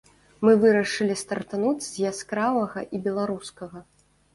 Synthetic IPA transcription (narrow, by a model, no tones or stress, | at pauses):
mɨvɨɾɐʂɨlʲist̪ɐrt̪nud͡zʲzʲjaskɾavɐɣɐʔibʲɛlˠaɾuskɐɣɐ